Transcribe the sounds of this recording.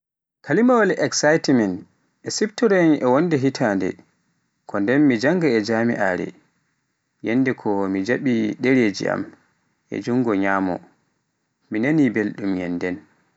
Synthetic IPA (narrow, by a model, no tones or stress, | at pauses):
kʰalimawalʔɛksajtimɛn | ʔɛsiftɔɾɔnʔɛwondɛɦitʰaːndɛ̰ | kʰɔndɛnmid͡ʒaŋɡaɛd͡ʒamḭʔa̰ɾɛ̰ | jenːdɛkʰɔmid͡ʒaɓiɗeɾeːd͡ʒḭʔa̰m | ʔɛ̰d͡ʒuŋɡɔɲaːmɔ̰ | minanibelɗumjɛ̰ndɛn